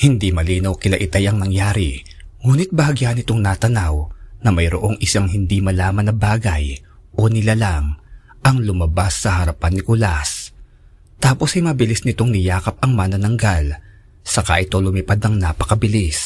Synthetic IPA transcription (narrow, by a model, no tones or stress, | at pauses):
hɪnd̪imɐliːnɐwkɪlɐʔɪt̪ajɐŋnɐŋjaːɾi | ŋuːnɪt̪̚bɐɐɡjanɪt̪o̞ŋnaːt̪ɐnawnɐmɐjɾoʔo̞ŋɪsaŋɦɪnd̪imɐlaːmɐnːɐbaːɡɐj | ʔo̞nɪlalaŋ | ʔɐŋlʊmɐbasːɐhɐɾɐpanːɪkʊlas | t̪aːpo̞shɐjmɐbɪlisnɪt̪o̞ŋnɪjaːkɐp̚ɐŋmanɐnɐŋɡal | sɐka̰ʔɪt̪o̞lʊmipad̪nɐŋnaːpɐ̥kɐbɪlis